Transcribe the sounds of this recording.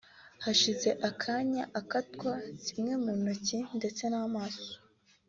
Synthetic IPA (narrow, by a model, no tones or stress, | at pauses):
haʃize̞ʔakʰaɲaʔakatkwacimŋe̞muːnocinde̞t͡se̞naːmaːso̥